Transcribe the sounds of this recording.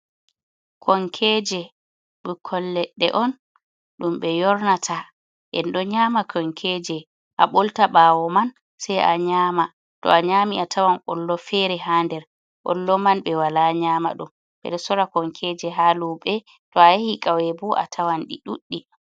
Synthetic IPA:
kʰɔŋkʰɛd͡ʒɛ | ɓukʰɔlːɛɗːɛ̰ʔɔn | ɗumɓɛjɔɾnatʰa | ʔɛ̰nɗɔɲamakʰɔŋkʰɛd͡ʒɛ | ʔaɓoltaɓaːwɔman | sajʔa̰ɲaːma | tɔ̰aɲamiʔatʰawanʔɔlːɔfɛɾɛɦandɛɾ | ʔɔ̰lːɔmanɓɛwalaɲama̰ɗum | ɓɛ̰ɗɛsɔɾakɔŋkʰɛd͡ʒɛɦaluɓɛ | tɔajahikʼawɛbɔʔa̰tʰawanɗḭɗuɗːi

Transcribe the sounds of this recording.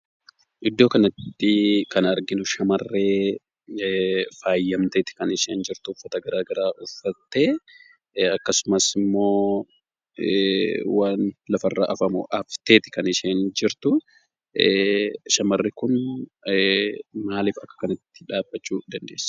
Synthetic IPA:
ʔɪd̪ːo̞ːkɐnɐt̪ːɪkɐnɐɾɡɪnʊʃɐmɐrːe̞ː | faːjːɐmt̪eːt̪ɪ̥kɐnɪʃeːnd͡ʒɪɾt̪ʊʊfːɐt̪ɐɡɐɾaːɡɐɾaːʔʊfːɐt̪ːe̞ː | ɐkːɐsʊmɐsɪmːo̞ː | waːnlɐfɐrːa̰ːʔɐfɐmʊ̰ʔɐft̪eːt̪ɪ̥kɐnɪʃeːnd͡ʒɪɾt̪ʊ | ʃɐmɐrːɪkʊn | maːliːfɐkːɐ̥kɐnɐt̪ːɪ̥ᶑaːbːɐt͡ʃːuːd̪ɐnd̪e̞ːsːɐ̥

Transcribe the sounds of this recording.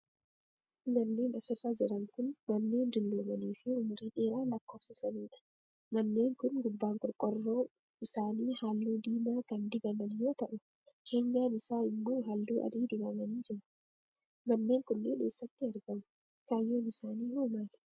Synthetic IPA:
mɐnːe̞ːnɐsɪrːad͡ʒɪɾɐŋkʊnmɐnːe̞ːnd̪ɪlːoːmɐniːfɪʊmʊɾiːᶑe̞ːɾaːlɐkːo̞ːfsɪsɐniːᶑɐ̥ | mɐnːe̞ːŋkʊnɡʊbːaːŋkʼɔɾkʼɔrːoː | ɪsaːniːhaːlːuːd̪iːmaːkɐnd̪ɪbɐmɐnjoːt̪ɐʔʊ | kʰe̞ːɲɡaːnɪsaːɪmːoːɦalːuːʔɐ̰d̪iːd̪ɪbɐmɐniːd͡ʒɪɾʊ̥ | mɐnːeːŋkʊnːeːneːsːɐt̪ːɪɐɾɡɐmʊ | kaːjːoːmɪsaːniːhoːmaːl̥

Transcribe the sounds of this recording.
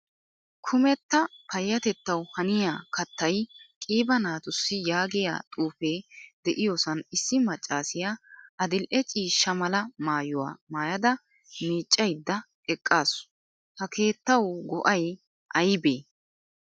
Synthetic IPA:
kʰʊmɛt̪ːɐpʰɐjːɐt̪ɛt̪ːɐwhɐnɪjaːkɐt̪ːɐjkʼiːbɐnaːt̪ʊsːɪjaːɡɪja̰ːt̪ʼuːfeːd̪ɛʔɪjoːsɐnɪsːɪmɐt͡ʃʼːaːsɪjaʔɐd̪ɪlʔɛt͡ʃʼiːʃːɐmɐlɐmaːjʊwa̰ːmaːjɐd̪ɐ | miːt͡ʃʼːɐjd̪ːɐ | ɛkʼːaːsʊ̥ | hɐkʰe̞ːt̪ːɐwʊɡɔʔɐj | ʔɐjbeː

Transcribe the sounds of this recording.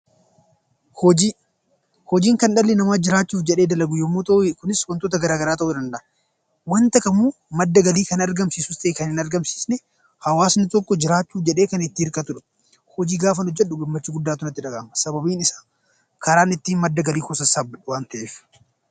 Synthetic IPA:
hɔd͡ʒi | hɔd͡ʒiːŋkɐnᶑɐlːɪnɐmaːd͡ʒɪɾaːt͡ʃːuːfd͡ʒɛᶑe̞ːd̪ɐlɐɡʊjɔmːoːt̪ɐkʊnɪswɐnt̪oːt̪ɐɡɐɾaːɡɐɾaːt̪ɐʔuːd̪ɐnd̪ɐʔɐ | wɐnt̪ɐkʼɐmuː | mɐd̪ːɐɡɐliːkɐnɐɾɡɐmsiːsʊst̪ɐekɐnɪnɐɾɡɐmsi̥ːsnɛ | hɐwaːsnɪt̪ɔkːɔd͡ʒɪɾaːt͡ʃːuːfd͡ʒɛᶑeːkɐnɪt̪ːɪɪɾkʼɐt̪ʊᶑɐ̥ | hɔd͡ʒiːɡaːfɐnɔd͡ʒːɛɗʊɡɪmːɐt͡ʃːɪɡʊd̪ːaːt̪ʊnɐt̪ːɪᶑɐɡaːmɐsɐbɐbiːnɪsḁː | kɐɾaːnɪt̪ːiːnmɐd̪ːɐɡɐliːkɔsɐsɐbɐᶑwaːnt̪ɐʔeːf

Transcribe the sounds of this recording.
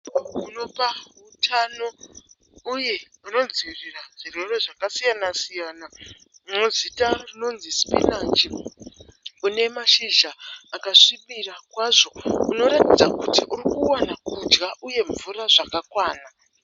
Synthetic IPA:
uno̞paɦutʰano̞ | uje̞ | uno̞nd͡ziiriraʐ̥ire̞reʐakasijanasijaːna | muzitarino̞nzispḭnand͡ʒi | une̞maʃiʒaːkaʂiɓirakwaʐo̞uno̞ɾatid͡zakutiʔurikuwanakud͡ʒɡaʔuje̞ɱvuraʐakakwaːna

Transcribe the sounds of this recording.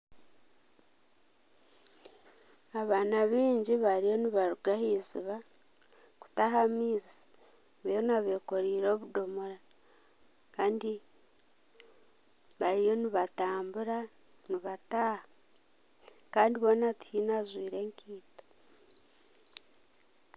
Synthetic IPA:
aβaːnaβiːɲɟiβaɾijo̞niβaɾuɡahiziβa | ku̥taɦamiːzi | βejonaβe̞ko̞ɾiːɾo̞βudo̞moɾa | kaːndi | βaɾijo̞niβataːmbuɾa | niβataːha | kaːndiβo̞nati̥hiːnazwiːɾe̞ːŋkʰiːto̥

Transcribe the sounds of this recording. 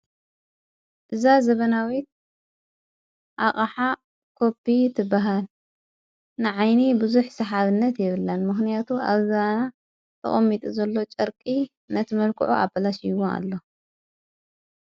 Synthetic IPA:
ʔɨzazɐβɐnawit̪̚ | ʔaχʼɐħa | kʰo̞pːit̪ʰɨbːaɦal | nɨʕajnibɨzuħsɐħaβɨnːɐt̪jɪβɨlːɐnmɨxnijat̪ʰuʔa̰βzɐβana | t̪ʰɐ̰χʼɐmːit̪ʼuzɐlːo̞t͡ʃʼɐɾkʼi | nɐt̪ʰɨmɐlkʰuʕṵʔa̰bɐlaʃjwona̰lːo̞

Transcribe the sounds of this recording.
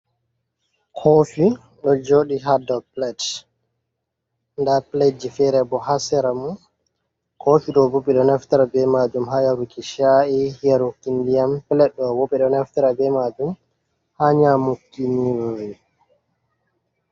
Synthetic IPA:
kʰoːfi | ɗɔd͡ʒoɗiɦadɔlplɛd | ndaplɛd͡ʒifɛɾɛbɔhasɛɾamun | kʰofiɗɔbuɓɛɗɔnɛftaɾabɛmad͡ʒumɦajaɾukiʃaʔihijaɾokːindijampɛlɛɗɔwoɓɛɗɔnɛftɛɾabɛmad͡ʒum | haɲamukːiniwoji

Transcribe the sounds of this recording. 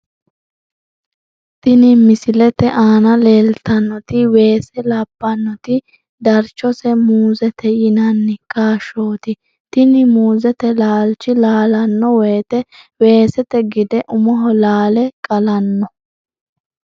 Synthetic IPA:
t̪ɪnɪmɪsɪlɛt̪ɛʔaːnɐleːlt̪ɐnːɔt̪ɪwe̞ːsɛlɐbːɐnːɔt̪ɪ | d̪ɐɾt͡ʃːɔsɛmuːzɛt̪ɛjɪnɐnːɪkaːʃo̞ːt̪ɪ | t̪ɪnɪmuːzɛt̪ɛlaːlt͡ʃɪlaːlɐnːɔwɔjt̪ɛwe̞ːsɛt̪ɛɡɪd̪ɛʔʊmɔɦɔlaːlɛkʼɐlɐnːɔ

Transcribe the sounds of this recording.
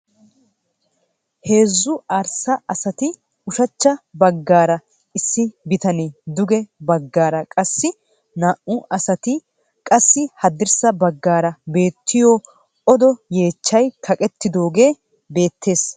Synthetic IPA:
he̞ːzːʊaːɾsɐɐsɐt̪ɪ | ʊʃɐt͡ʃːɐbɐɡːaːɾɐ | ɪsːɪbɪt̪ɐned̪ʊɡɛbɐɡːaːɾɐkʼɐsːɪ | naːʔʊɐsɐt̪ɪ | kʼɐsːɪhɐd̪ɪɾsɐbɐɡːaːɾɐbe̞ːt̪ʰːɪjɔ | ʔɔd̪ɔje̞ːt͡ʃːɐjkʰɐkʼɛt̪ːɪd̪o̞ːɡe̞ː | be̞ːt̪ːe̞ːs

